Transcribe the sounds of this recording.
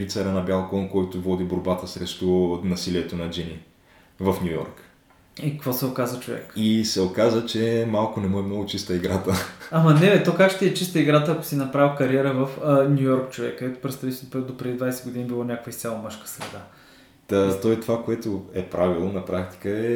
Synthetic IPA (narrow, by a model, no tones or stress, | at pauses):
ɾit̪sɛɾənɐbʲjalˠkɔnkɔjt̪ʊvɔd̪iboɾbat̪əsɾɛʃt̪onɐsiliɛt̪onɐd͡ʒini | vəfnʲujɔ̰ɾk | ikɐkvosɛokazvət͡ʃovɛ̰kisɛokazət͡ʃɛmalˠkʊnɛmuɛmnɔɡʊt͡ʃist̪əiɡɾat̪əamɐnɛlɛt̪okakʃt̪iɛt͡ʃist̪əiɡɾat̪əɐkʊ̥sinɐpɾavʲkɐɾiɛɾəvəfənʲujɔɾkt͡ʃovɛ̰kːəd̪ɛt̪ʊ̥pɾɛt̪st̪avit̪ɛlpɛd̪opɾɛd̪id̪vajsɛɡʊd̪inibilˠonʲakvəist̪sʲjalˠɐmɤʃkə̥sɾɛd̪a | ət̪ɔjt̪ovakoɛt̪ʊɛpɾavilˠonɐpɾakt̪i̥kəɛ